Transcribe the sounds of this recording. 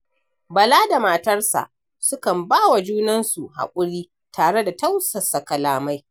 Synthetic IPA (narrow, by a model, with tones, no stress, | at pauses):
bɐ˨laː˦da˨ma˨tɐ˦rsa̰˨ʔ | sʊ˦kɐ˨mbaː˦wa˨d͡ʒuː˦nɐ˦nsu˨ha̰˨kʷʼʊ˦ɽiː˦ | tʰaː˨ɽe˦da˨ta˦wsɐ˨sɐ˨kɐ˨laː˨ma˦j